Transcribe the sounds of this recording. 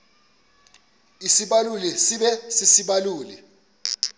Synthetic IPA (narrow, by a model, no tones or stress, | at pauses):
isiɓalulɛsiɓɛsisiɓaluːlɛ